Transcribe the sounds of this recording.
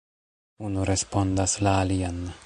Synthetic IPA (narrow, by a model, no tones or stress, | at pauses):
unuɾespond̪aslaːlian